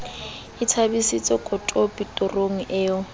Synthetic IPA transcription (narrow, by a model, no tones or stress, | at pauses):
ɪtʰabisit͡sʼɔkʼɔtʼɔpʼitʼɔroŋ̩ʔɪːʊ